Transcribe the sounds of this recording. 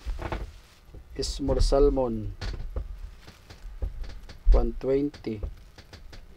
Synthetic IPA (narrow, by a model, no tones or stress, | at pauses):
ɪsmoɾsalmon | xwant̪wejnt̪i